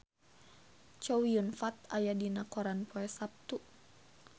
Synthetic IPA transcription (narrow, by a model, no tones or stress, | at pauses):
t͡ʃɔwiunfat̪̚ajadinakɔɾanpʰɔɛsap̚t̪u